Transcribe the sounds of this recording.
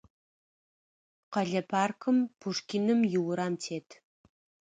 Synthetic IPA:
qɐɮɐpʰaːrkʰɨmpʰuʂkʲinɨmjɪwʊɾaːmtʰeːtʰ

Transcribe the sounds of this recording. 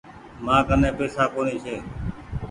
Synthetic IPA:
mãːkənẽːpeːsaːkoːniːt͡ʃʰeː

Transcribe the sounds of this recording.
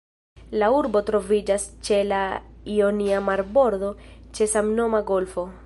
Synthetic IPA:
lauɾbo̞tɾo̞vid͡ʒast͡ʃe̞laio̞niamaɾbo̞ɾd̪o̞t͡ʃe̞samno̞maɡo̞lfo̞

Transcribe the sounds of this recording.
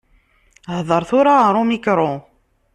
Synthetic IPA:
hðˤəɾˤθʊɾaɾˤomikɾˤo

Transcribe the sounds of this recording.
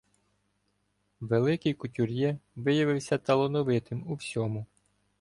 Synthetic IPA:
ʋelˠɪkɪjkʊtʲuɾʲjɛʋɪjɐʋɪwsʲɐt̪ɐlˠɔnɔʋɪt̪ɪmuwsʲɔmʊ

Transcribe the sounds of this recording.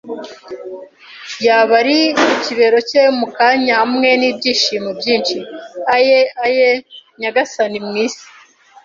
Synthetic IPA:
jaβaɾimuciβe̞ɾo̞cemukaːɲamŋe̞nibɟiːʃiːmubɟiːnʃiajeajeɲaɡasanimŋiːsi̥

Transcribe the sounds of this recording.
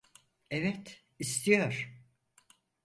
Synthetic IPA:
ɛvɛt̪ | ist̪ʰijoɾ̥

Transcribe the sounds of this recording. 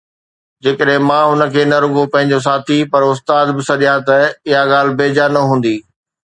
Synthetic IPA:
d͡ʑeːkəɗɦɪ̃mãːɦʊnə̆kʰeːnɐɾʊɡopɐ̃ɦɪ̃ɲ̆d͡ʑos̬aːt̪ʰipɐɾʊst̪aːd̪bɪsɐɗijãt̪ɐɪɦaɠaːl̤ɪ̆beːd͡ʑanɐɦũːn̆d̪iː

